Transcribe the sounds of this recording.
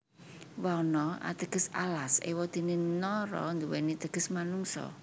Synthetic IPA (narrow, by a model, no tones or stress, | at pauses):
wanɔa̰t̪əɡ̥ə̤sa̰lasḛwɔd̪̥e̤nenɔɾɔ̰nd̪uwɛnit̪əɡ̥əsmanuŋsɔ̰